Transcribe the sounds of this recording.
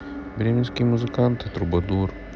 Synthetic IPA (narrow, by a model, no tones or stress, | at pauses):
bɾʲiminskimuzɨkant̪ʰt̪ɾubɐd̪uːɾ